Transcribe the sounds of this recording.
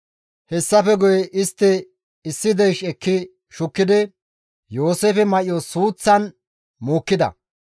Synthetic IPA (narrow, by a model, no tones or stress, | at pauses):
hɛsːɐfɛɡʊjɛʔɪst̪ːɪ | ɪsːɪd̪ɛjʃɛkːɪ | ʃʊkːɪd̪ɪ | jo̞ːseːfɛmɐʔɪjɔsuːt͡sːɐn | moːkːɪd̪ɐ̰